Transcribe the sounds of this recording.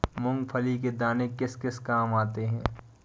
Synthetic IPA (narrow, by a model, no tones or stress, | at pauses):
mʊ̃ŋɡpʰəliked̪aːnekɪskɪskaːmaːt̪eɦɛ̃ː